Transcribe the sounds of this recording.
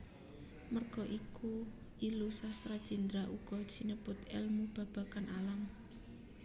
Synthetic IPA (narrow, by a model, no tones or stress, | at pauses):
mərɡ̥ɔʔiku | ilusast̪ɾad̥ʒ̥i̤nd̪ɾaʔuɡ̥ɔ̥ʒ̥inəpʊt̪ɛ̰lmub̥a̤b̥a̤kanalam